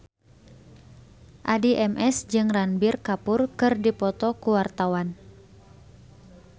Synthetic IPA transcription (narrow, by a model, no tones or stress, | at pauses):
ʔadiʔɛmʔɛsd͡ʒɨŋranbirkapʊrkɨrdipɔt̪ɔkuwart̪awan